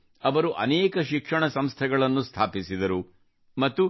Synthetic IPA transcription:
ɐʋɐɾuʔɐ̰nɛːkɐʃikʂɐɳɐsɐmst̪ʰɛɡɐɭɐnːust̪ʰaːpisid̪ɐɾu | mɐt̪ːu

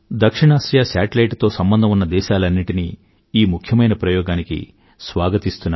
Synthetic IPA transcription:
d̪ɐkʂiɳaːʃjaːsaːʈɐlɐjʈt̪o̞ːsɐmbɐnd̪ʱɐmunːɐd̪ɛːʃaːlɐnːiʈini | iːmukʰjɐmɐjnɐpɾɐjɔːɡaːnikḭ | sʋaːɡɐt̪ist̪unːa

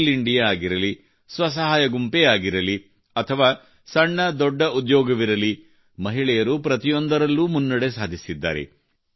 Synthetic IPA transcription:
liɳɖijaaːɡiɾɐli | sʋɐs̬ɐɦaːjɐɡumpeaːɡiɾɐli | ɐt̪ʰɐʋaː | sɐɳːɐd̪ɔɖːɐud̪jɔːɡɐʋiɾɐli | mɐɦiɭɛjɐɾupɾɐt̪ijo̞nd̪ɐɾɐlːumunːɐɽe̞saːd̪ʱisid̪ːa̰ːɾe̞̰

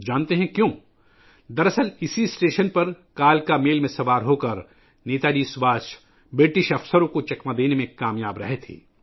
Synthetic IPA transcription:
d͡ʒaːnt̪eɦɛ̃kjõː | d̪ɐɾɐsəlɪsisʈeːʃənpɐɾkaːlkameːlmẽsɐʋaːɾɦoːkɐɾ | neːt̪aːd͡ʒiːsʋaːs | bɪʈɪʃɐfsəɾõkot͡ʃɐkmad̪eːnemẽkaːmjaːbɾɐɦet̪ʰḭː

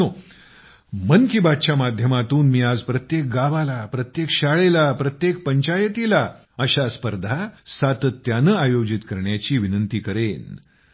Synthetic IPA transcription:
o | mənkibad̪̚t͡ɕamad̪ʱjəmat̪uːnmiːad͡zpɾət̪jek̚ɡaʋalapɾət̪jekɕaɭelapɾət̪jek̚pəɲt͡ɕajət̪ila | əɕaspəɾd̪ʱasat̪ət̪ːjanəajod͡ʑit̪kəɾɳjat͡ɕiːʋinənt̪iːkəɾen

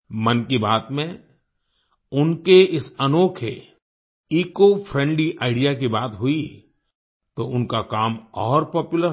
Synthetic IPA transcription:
mɐnkibaːt̪mẽ | ʊnkeɪsɐnoːkʰḛ | iːkofʰɾɛ̃ːɳɖliʔaːɪɖijakibaːt̪ɦʊi | t̪oʊnkakaːmɔːɾpɔːpjʊləɾ

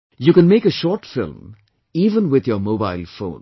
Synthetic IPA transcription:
jukɨ̃nmeɪkəʃɔːʈfɪ̰lm | iːʋə̃nwɪd̪jəmoːbaɪlfõ̰ːn

